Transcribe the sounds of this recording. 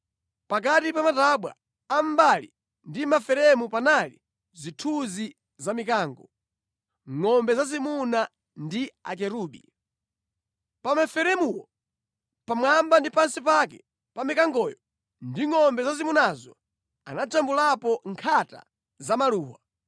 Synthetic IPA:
pakatipamataɓwa̰ | am̩balḭ | ndimafɛɾɛmupanalḭ | zitʰuzi | zamikaːŋɡɔ | ŋɔmbɛzazimuna | ndia̰k̬ɛɾuːɓi | pamafɛɾɛmuwɔ | pamwambandipansipakɛ | pamikaŋɡɔjɔ | ndiŋɔmbɛzazimunazɔ | anat͡ʃambulapɔŋkʰata̰ | zamaluːwa

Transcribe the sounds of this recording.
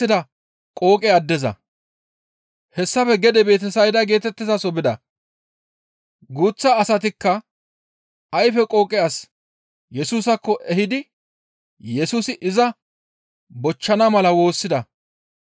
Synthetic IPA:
ɪd̪ɐ | kʼo̞ːkʼɛɐd̪ːɛzɐ̰ | hɛsːɐpɛɡɛd̪ɛbe̞ːt̪̬ɛsɐjd̪ɐɡe̞ːt̪ɛt̪ːɪzɐsɔbɪd̪ɐ̰ | ɡuːt͡sːɐːsɐt̪̬ɪkːɐ | ɐjfɛkʼo̞ːkʼɪjas | jɛsuːsɐkːɔʔɛhɪd̪ɪ | jɛsuːsɪʔɪzɐ | bɔt͡ʃːɐnɐmɐlɐwo̞ːsːɪd̪ɐ

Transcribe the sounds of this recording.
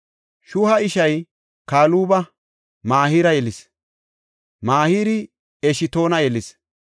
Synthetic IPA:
ʃʊhɐɪʃɐj | kaːluːbɐ | maːhiːɾɐjɛlɪs | maːhiːɾɪ | ɛʃɪt̪o̞ːnɐjɛlɪs

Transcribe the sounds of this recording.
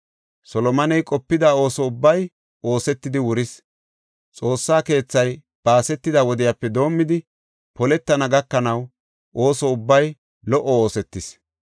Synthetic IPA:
sɔlɔmɐnɛjkʼɔpːɪd̪ao̞ːsɔʊbːɐj | o̞ːsɛt̪ːɪd̪ɪwʊɾɪs | t͡sʼo̞ːsːaːke̞ːt͡sːɐj | b̥aːsɛt̪ːɪd̪ɐwɔd̪ɪjapːɛd̪o̞ːmːɪd̪ɪ | pɔlɛt̪ːɐnɐɡɐkːɐnɐw | ʔo̞ːsɔʊbːɐj | lɔʔɔo̞ːsɛt̪ːɪs

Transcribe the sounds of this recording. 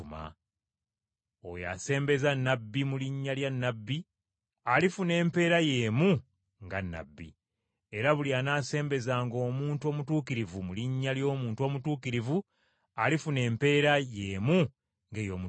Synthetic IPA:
ma̰ | o̰ja̰se̞ːmbe̞zanːabːimuliɲːaljanːabːi | alifune̞ːmpe̞ːɾaje̞ːmu | ŋɡa̰nːa̰bːḭ | eɾaβulianaːse̞ːmbe̞zaːŋɡo̞ːmuːntuo̞ːmutuːkiɾivumuliɲːaljo̞ːmuːntuo̞ːmutuːkiɾivu | alifune̞ːmpe̞ːɾajeːmu | ŋɡeːjo̞̰mu

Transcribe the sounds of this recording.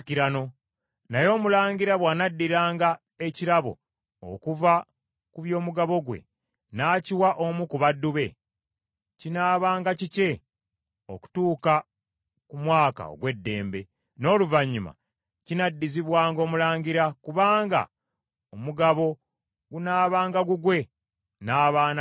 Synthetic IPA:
kiɾano̞ | najo̞ːmulaːɲɡiɾaβwaːnadːiɾaːŋɡa | e̞ciɾaβo̞̰ | o̰kuva | kuβjo̞ːmuɡaβo̞ɡwe̞̰ | naːciwaʔo̞mukuβadːuβe̞̰ | cinaːβaːŋɡacice̞ | oku̥tuːka | kumwaːka̰o̰ɡwe̞dːe̞̰ːmbe̞ | no̞ːluvaɲːuma̰ | cinadːiziβwaːŋɡo̞ːmulaːɲɟiɾakuβaːŋɡa̰ | omuɡaβo̞ | ɡunaːβaːŋɡaɡuɡwe̞ | naːβaːna

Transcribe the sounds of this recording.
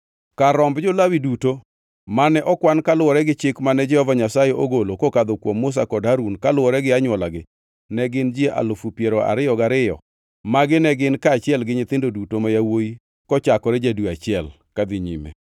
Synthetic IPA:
kaɾɔmbd͡ʒɔlawiduto | manɛʔɔkwankalʊwɔɾɛɡɪt͡ʃɪkmanɛd͡ʒɛhɔvaɲasajɛʔoɡolokokad̪okwomːʊs̬akɔdɦaɾunkalʊwɔɾɛɡɪaɲwɔlaɡɪ | nɛɡɪnd͡ʒieʔa̰lʊfupjeɾɔa̰ɾɪjɔɡaɾɪjɔ̰ | maɡɪnɛɡɪnkaːt͡ʃɪɛlɡɪɲɪt̪ɪndodutomajawoji | kɔt͡ʃakɔɾɛd͡ʒadwuat͡ʃɪɛl | kad̪ɪɲḭmḛ

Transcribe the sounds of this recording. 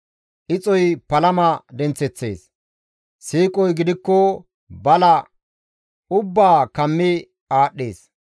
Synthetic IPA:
ʔɪt͡sʼɔjpɐlɐmɐd̪ɛnt͡sːɛt͡sːe̞̰ːs | siːkʼɔjɡɪd̪ɪkːɔ | bɐlɐ | ʊbːaːkɐmːɪ | aːɗːḛːs

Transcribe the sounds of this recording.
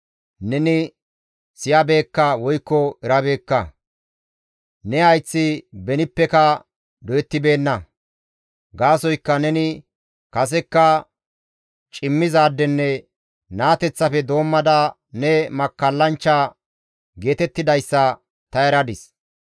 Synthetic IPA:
nɛnɪ | sɪjɐbe̞ːkːɐwɔjkːɔɛɾɐbe̞ːkːɐ | nɛɐjt͡sːɪbɛnɪpːɛkɐ | d̪ɔjɛt̪ːɪbe̞ːnːɐ | ɡaːsɔjkːɐnɛnɪ | kɐs̬ɛkːɐ | t͡ʃʼɪmːɪzaːd̪ːɛnːɛ | naːt̪ɛt͡sːɐfɛd̪o̞ːmːɐd̪ɐ | nɛmɐkːɐlːɐnt͡ʃːa | ɡe̞ːt̪ɛt̪ːɪd̪ɐjsːɐ | t̪ɐɛɾɐd̪ɪs

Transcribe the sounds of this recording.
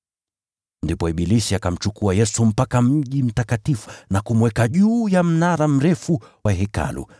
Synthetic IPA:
ndipɔiɓilisiakam̩t͡ʃukuajɛsum̩pakamm̩ʄim̩takatifunakumwɛkaʄuːjam̩naɾam̩ɾɛfuwaɦɛka̰lṵ

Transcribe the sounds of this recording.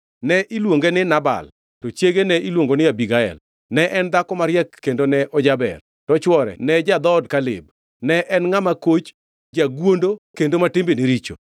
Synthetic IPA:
nɛʔilwoŋɡenɪnaba̰l | tɔt͡ʃjeɡenɛilwoŋɡonɪjabiɡaɛ̰l | nɛʔɛnd̪akɔmaɾjɛkːendonɛʔɔd͡ʒabɛ̰r | tɔt͡ʃwɔɾɛ̰nɛd͡ʒad̪ɔdkalɪ̰b | nɛʔɛnŋamakot͡ʃ | d͡ʒaɡwondokendomatɪmbeniɾit͡ʃo̰

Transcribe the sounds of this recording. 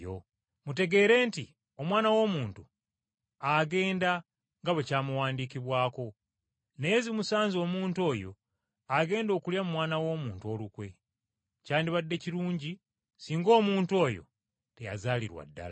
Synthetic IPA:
o | mute̞ɡe̞ːɾe̞ːnti | o̞mwaːnawo̞ːmuːntu | aɡe̞ːnda | ŋɡaβe̞caːmuwaːndikiβwaːko̞ | ne̞zimusaːnzo̞ːmuːnto̞ːjo̞̰ | aɡe̞ːndo̞ːkuljamumwaːnawo̞ːmuːntuo̞lukwe̞ | caːndiβadːe̞ciɾuːɲɟi | siːŋɡo̞ːmuːntuo̞ːjo̞̰ | te̞ja̰zaːlḭɾwa̰dːa̰la

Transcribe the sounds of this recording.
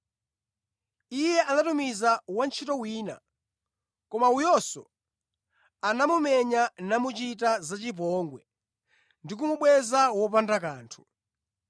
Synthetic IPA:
ijɛʔanatumizawant͡ʃʰitɔwiːna̰ | kɔmaujɔsɔ̰ | anamumɛɲanamut͡ʃit̬azat͡ʃip̬ɔŋɡwɛ | ndik̬umuɓwɛzawɔp̬andakaːntʰu̥

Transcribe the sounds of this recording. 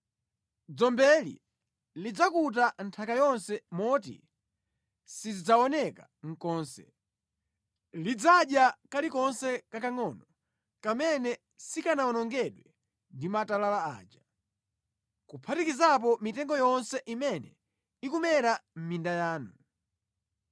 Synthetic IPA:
d͡zɔmbɛlḭ | lid͡zakut̬antʰakajɔnsɛmɔtḭ | sizid͡zaɔnɛka | ŋ̩kɔːnsɛ̰ | lid͡zaɗjakalikɔnsɛkakaŋɔnɔ | kamɛnɛ | sikanaɔnɔŋɡɛɗwɛ | ndimatalalaa̰ːd͡ʒa | kupʰatikizap̬ɔmitɛŋɡɔjɔnsɛʔimɛnɛ̰ | ikumɛɾam̩mindajaːnu

